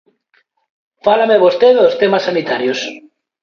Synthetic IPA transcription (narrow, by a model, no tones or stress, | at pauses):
falameβost̪eðost̪emasːanit̪aɾjos